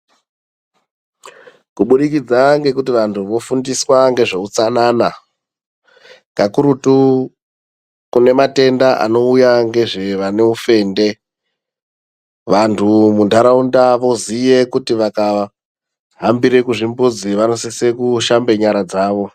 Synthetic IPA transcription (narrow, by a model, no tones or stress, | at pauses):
kuɓuɗik̬id͡zaŋɡe̞kutiʋantʰuʋo̞fundiswaŋɡe̞ʐe̞ut͡sanaːna | ŋɡakuɾutu | kune̞mate̞ndaʔa̰no̞ujaŋɡe̞ʐe̞ʋane̞ufe̞ːnde̞ | ʋantʰumundaɾaundaʋo̞zije̞kutiʋaka | ɦambiɾe̞kuʐimbod͡ziʋano̞sise̞kuʃambe̞ɲaɾad͡zaːʋo̞